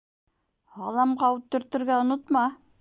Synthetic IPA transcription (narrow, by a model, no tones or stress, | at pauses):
ɑlˠɑmqɑwut̪ːɵ̆ɾt̪ɘ̆ɾɡæŏnot̪mɑ